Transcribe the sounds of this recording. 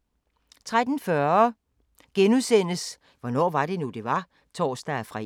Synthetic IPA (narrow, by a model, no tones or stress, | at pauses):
t͡sʰʁad̥n̩fɶɐ | ɡ̥enuðˠsen̰əs | ʋɒnɒ̰ːʋɑ̈d̥e̝nud̥e̝ʋɑ̈ | t͡sʰɒ̰ːsd̥æfʁɑ